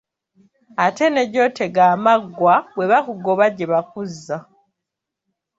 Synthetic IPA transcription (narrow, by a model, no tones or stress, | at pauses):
ate̞neɟo̞ːtʰe̞ɡaːmaɡwabwe̞βakuɡo̞βaɟeβakuzːa